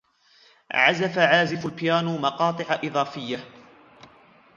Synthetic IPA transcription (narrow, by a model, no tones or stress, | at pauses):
ʕazafaʕaːzɪfʊlpɪjaːnmɑqɑːt̪ˤɨʕaʔɨðˤɑːfɪjːa